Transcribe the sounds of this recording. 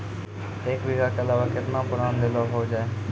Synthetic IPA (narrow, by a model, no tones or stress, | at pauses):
ekʋiɡaːkeəlaːʋaːkɪt̪nãːpʊɽaːnd̪eloːɦoːd͡ʒaːeː